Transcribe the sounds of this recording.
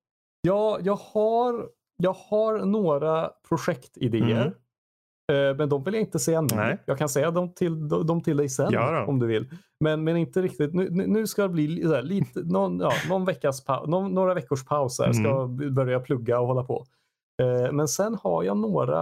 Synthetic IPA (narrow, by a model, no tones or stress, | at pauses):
jɑːjɑːɡhaɾ | jɑːɡhaɾnoːɾapʰɾʊʂɛkt̪ɪd̪eːə̰ɾ | mɛnd̪ɔmvɪljaɪnt̪əsɛjːanɔjɑːɡkʰansɛjːad̪ɔmt̪ʰɪld̪ɔd̪ɔmt̪ʰɪld̪ɛjsɛnɔmd̪ɵvɪlː | mɛnmɛnɪnt̪əɾɪk̚t̪ɪt̪nʉːnʉnʉ̟ːskad̪ɛbliːsæːɭiːt̪ənɔnjɑːnɔnvɛkːaspʰa̰ʊnɔnːoːɾavɛkːʊʂpʰaʊsɛ̰ʂkajbœɾjapʰlɵɡːaɔhɔlːapʰɔ̰ | mɛnsɛnha̰ɾjɑ̰ːnoːɾa̰